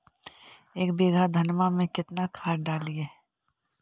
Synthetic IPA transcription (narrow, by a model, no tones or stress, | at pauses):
eːkbeːɡʱad̪ʱɐnmamẽkɪt̪nakʰaːɖaːlieː